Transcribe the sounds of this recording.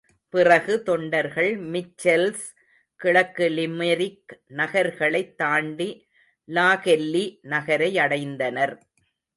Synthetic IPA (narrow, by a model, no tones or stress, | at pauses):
pɪrɐɣɯt̪ɔɳɖɐɾɣɐɭmɪt͡ʃːɛls | kɪɭɐkːɯlɪmɐɾɪknɐɣɐɾɣɐɭɐɪt̪ːaːɳɖi | laːɣɛlːinɐɣɐɾɐɪɐɽɐɪnd̪ɐnɐɾ